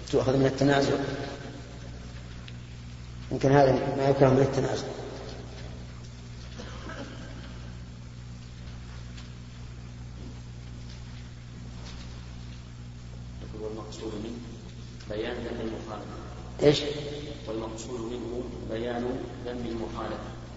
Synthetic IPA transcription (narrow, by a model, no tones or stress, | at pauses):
t̪ʊʔxaðmɪnɪt̪ːanaːzʊʔ | jɪmkɪnhaːðamajʊkɾˤɑhmɪnat̪ːanaːzʊʔ | nakʊɾwalmɑqsˤuːd̪mɪn | bajaːnd̪amːɪlmʊxaːla̰fa | ʔeːʃwalmɑqsˤuːd̪mɪnhu | bajaːnud̪amːɪlmʊxaːlafa